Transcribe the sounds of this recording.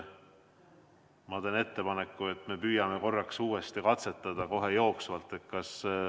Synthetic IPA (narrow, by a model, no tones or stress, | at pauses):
mɑd̪ene̞t̪ːe̞pɑne̞kːˑue̞t̪ːˑme̞pyːjɑmeko̞rːɑksuːe̞st̪ikɑt̪se̞t̪ːˑɑd̪̥ɑko̞ɦe̞jo̞ːksvɑlt̪ːˑe̞t̪̚kɑs